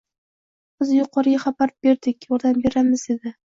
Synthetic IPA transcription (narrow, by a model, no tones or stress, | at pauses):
b̥ɪzjʊqʰɒɾɪjʲaχabaɾbe̞ɾd̪ɪkʲjɒɾd̪ambe̞ɾamɪze̞d̪ɪ